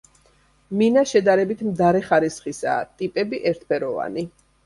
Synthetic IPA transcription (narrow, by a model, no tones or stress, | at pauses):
minaʃɛd̪aɾɛbit̪ʰmd̪aɾɛχaɾisχisa̰ːt̪ʼipʼɛbiʔɛɾt̪ʰpʰɛɾɔva̰ni